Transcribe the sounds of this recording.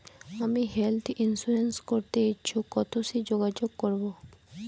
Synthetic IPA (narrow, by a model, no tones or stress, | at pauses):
amiɦelt̪ʰinsuɾenskoɾt̪eet͡ɕʰukɔt̪osid͡ʑoɡad͡ʑoɡkoɾbo